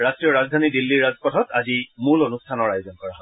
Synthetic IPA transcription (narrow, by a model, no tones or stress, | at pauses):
ɹastɹijɔɹazdʱanidilːiɹazʱpɔtʰɔtazimulonustʰanɔɹajzɔnkɔɹaɦɔ